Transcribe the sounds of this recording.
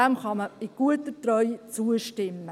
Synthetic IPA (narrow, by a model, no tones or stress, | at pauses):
æmχɑməɪɡ̥uət̪ətɾœʏt͡suəʃtɪmːə